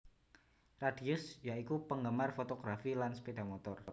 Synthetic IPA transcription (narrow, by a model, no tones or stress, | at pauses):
radiʊsjaikupəŋɡəmarfot̪oɡ̥ɾafilanspedamot̪ɔr